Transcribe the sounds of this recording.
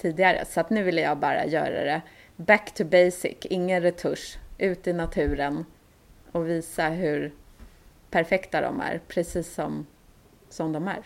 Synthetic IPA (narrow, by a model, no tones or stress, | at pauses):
t̪ʰiːd̪ɪɡaɾə̰sat̪nʉ̟ːvɪlːəjɑːɡbɑːɾa̰jœ̰ːɾa̰ɾɛ | bækt̪ʰɵbɛjsɪ̰kːɪŋːənɾɛt̪ʰɵʂʔʉ̟ːt̪ɪnat̪ʰʉ̟ːɾən | ɔviːsaɦɵɾ | pʰæɾfɛkt̪ad̪ɔ̰mæ̰ɾpʰɾɛsiːsːɔm | sɔmd̪ɔmæ̰ɾ